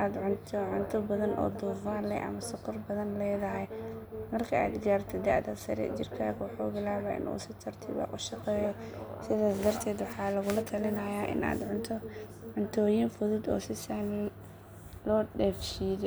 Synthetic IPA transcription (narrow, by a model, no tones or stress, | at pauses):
ʔaːd̪ʕʊnt̪ʰɔʕʊnt̪ʰʊbɐðɐnʔɔ̰ːd̪uːfaːnlɛ̰ʔɐ̰mɐsʊqɔrbɐðɐnlɛːðɐɦɛjmɐrkʰɐa̰ːd̪ɡ̪ɪjaːrt̪ʰɐd̪ɐʕd̪ɐ̰sɐ̰ɾɛ̰d͡ʒɪrt̪ʰa̰ːkwħuːɣɪlaːβaːʔɪ̰nʔṵːsɪt̪ʰɐrt̪ʰɪβa̰ːʔʊʃɑqɛːjɔsɪðaːsd̪ɐrt̪ʰɛːd̪wɑħɑːlɐɣʊlɐt̪ʰɐlɪnɐjaːʔɪ̰na̰ːd̪ʕʊnt̪ʰɔ | ʕʊnt̪ʰɔːjinfʊðʊd̪ɔ̰ːsɪsaːmin | lɔːɖɛːfʃiːðɛ